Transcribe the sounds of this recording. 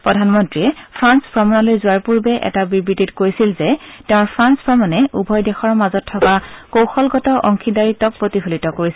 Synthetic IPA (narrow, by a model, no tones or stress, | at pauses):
pɹɔdʱanmɔntɹiɛpʰɹanspɹɔmanalojzʊaɹpuɹbɛʔɛ̰tabibɹititkoɹjsilzɛtɛʊ̃ɹpʰɹanspɹɔmanɛʔubʱɔjdɛxɔɹmazɔtʰːɔkakowxɔlɡɔtɔʔɔŋkʰidaɹitːɔk̚pɹotiɦulitɔkoɹisɛ